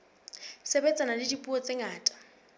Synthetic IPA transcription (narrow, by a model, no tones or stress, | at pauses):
sebɛt͡sʼanadɪdipʼuɔt͡sʼeŋaːtʼḁ